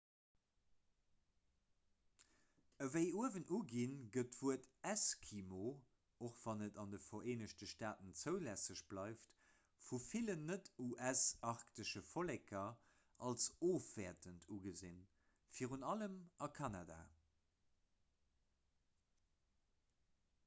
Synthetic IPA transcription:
əvəɪuəvənʔuɡinɡətvuətæskʰimo | oχv̥ɑnətɑndəfɐʁeːnəʃtəʃtaːtənt͡səʊlæsəɕb̥lɑɪft | fufilənːətuʔæsɑʁktəʃəfolɛkʰɐ | ʔɑlsoːfv̥ɛːɐtəntʰuɡəzin | fiːʁunɑləmʔɑkʰɑnada̰ː

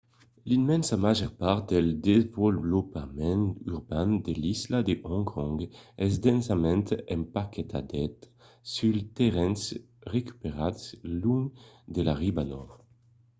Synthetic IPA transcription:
linmɛ̃nsamaʒɛʁpaʁd̪eld̪evɔlblɔpamɛ̃nyʁbãnd̪elislad̪eʔɔ̃ŋkʰɔ̃ŋɡɛsd̪ɛ̃nsamɛ̃nt̪ɛ̃mpakɛt̪a̰d̪ɛt̪ | sylt̪eʁɛ̃ns | ʁeky̥peʁad̪sluŋd̪elaʁibanɔʁ

